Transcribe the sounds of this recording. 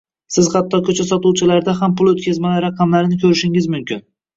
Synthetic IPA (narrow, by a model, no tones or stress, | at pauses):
sɪzhat̪ʰːɒkʲʰɵt͡ʃʰasɒt̪uwt͡ʃʰɪlaɾd̪ahampʊlˠɵt̪kʲazmalaɾɑqʰɑmlaɾɪnɪkʲʰɵɾɪʃɪŋɪzmʊmkʲɪn